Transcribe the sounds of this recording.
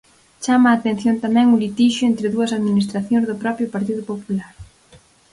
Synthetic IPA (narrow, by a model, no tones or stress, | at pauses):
t͡ʃamɐːt̪ẽn̟θjont̪amɛ̃ŋʊlit̪iʃʊent̪ɾɪðuɐsaðminist̪ɾaθjõŋzðʊpɾɔpɾjʊpaɾt̪iðʊpopulaɾ